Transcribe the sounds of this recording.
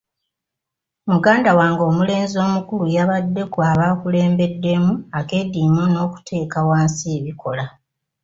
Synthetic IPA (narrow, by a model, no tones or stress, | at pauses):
muɡaːndawaːŋɡo̞ːmule̞ːnzio̞ːmukulujaβadːe̞kwaːβaːkule̞ːmbe̞dːe̞muake̞diːmono̞ːku̥tʰe̞ːkawaːnsieβiko̞la